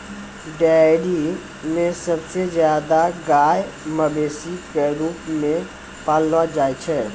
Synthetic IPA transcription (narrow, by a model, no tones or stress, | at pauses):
ɖeːɖi | mẽsɐbsezjaːd̪aɡaːjməbeːsikeɾuːpmẽ | paːlʋad͡ʒaːjt͡ʃʰɛː